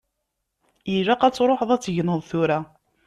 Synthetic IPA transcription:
jiʒæqæt͡sːɾˤoħəðˤæt͡sːʝnəðˤθʊɾæ

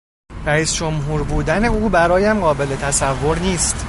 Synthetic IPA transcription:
ɾæiːsd͡ʒo̞mɦuːɾbuːd̪æne̞uːbæɾɒːjæmɢɒːbe̞le̞t̪ʰæsævːo̞ɾniːst̪

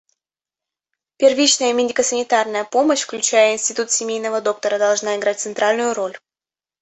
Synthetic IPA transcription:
pʲɪrvʲit͡ɕnəjəmʲɪdʲɪkəsənʲɪt̪arnəjəpo̞məɕfklʲʉt͡ɕæjəɪnʲsʲtʲɪt̪ut̪sʲɪmʲejnəvəd̪o̞k̚t̪əɾəd̪ɐlˠʐnaɪɡɾat̚ʲt̪sɨnt̪ɾalʲnʊjʊɾo̞lʲ

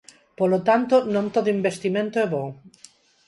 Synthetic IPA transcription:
polot̪ant̪onõnt̪oðoimbest̪imẽnt̪oeβõ

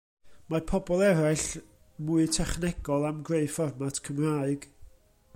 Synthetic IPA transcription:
mapʰɔbɔlˠɛɾaɨɬ | muɨtʰɛχnɛɡɔlˠamɡreɨfɔrmatʰkʰəmraːɨɡ̥

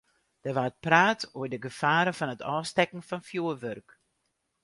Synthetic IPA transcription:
d̥ərʋaːət̚praːtoːədəɡəfaːɾəfɔnətɔːstɛkn̩fɔnfjuːərʋørk

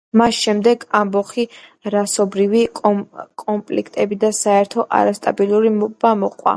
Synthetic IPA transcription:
masʃɛmd̪ɛɡambɔχiɾasɔbɾivikʼɔmpʼlikʰt̪ʼɛbid̪asaɛɾt̪ʰɔʔa̰ɾast̪ʼa̰bilˠuɾimb̥amɔqʼwa̰

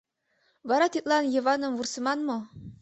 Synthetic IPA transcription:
vɑɾɑt̪it̪lˠɑnjɤ̆vɑnɤ̆mvursɤ̆mɑnmo

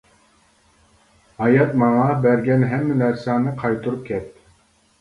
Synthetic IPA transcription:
hɑjɑt̪mɑŋɑbæɾɡʲɛnɦɛmːɪnæɾsɑːnɨqʰɑjt̪ʰuɾup̚kʲʰɛt̪̚ː

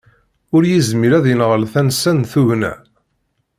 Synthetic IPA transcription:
ʊɾjizmiɾæðjənʁəlθænsænθuvnæ̰

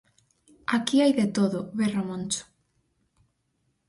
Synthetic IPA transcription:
akiajðet̪oðʊβeramõnt͡ʃʊ̥

